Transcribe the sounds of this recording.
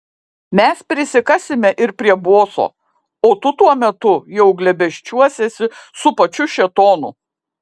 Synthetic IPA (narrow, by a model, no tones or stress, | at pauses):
mʲɛspʲɾʲɪsʲɪkɑsʲɪmʲɛʔɪɾpʲɾʲiɛboːso̰ː | oːt̪ʊt̪uɔmʲɛt̪ʊjɛʊɡlʲɛbʲɛʃʲt͡ʃʲuɔsʲɛsʲɪsʊpɐt͡ʃʲʊʃʲɛt̪oːnʊ̰